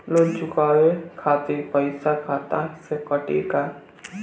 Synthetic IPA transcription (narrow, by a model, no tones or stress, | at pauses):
lot͡ʃʊkaːwekʰaːt̪iɾpəɪsakʰaːt̪asekəʈḭka